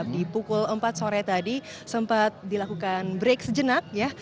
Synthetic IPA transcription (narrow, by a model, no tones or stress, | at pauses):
p̚dipukʊləmpat̪̚soɾɛt̪adi | səmpat̪̚dilakukanbɾeksəd͡ʒənak̚ja